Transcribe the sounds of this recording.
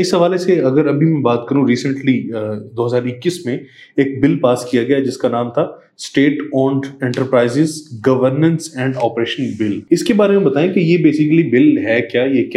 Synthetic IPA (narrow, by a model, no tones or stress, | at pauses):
ɪsɦɐʋaːleseɐɡəɾɐbʱimɛ̃baːt̪kɐɾũɾiːsə̃ɳʈlid̪oːɦɐzaːɾɪkːismẽ | eːk̚bɪlpaːskijaɡɐjad͡ʒɪskanaːmt̪ʰa | sʈeːʈɔːɳɖɛ̃ɳʈəɾpɾaːɪzɪzɡɐʋəɾnə̃nsɛ̃ːɳɖɔːpɾeːʃə̃nbɪlɪskebaːɾemẽbɐt̪aːẽkejebeːsɪkəlibɪlɦɛːkjaːjekja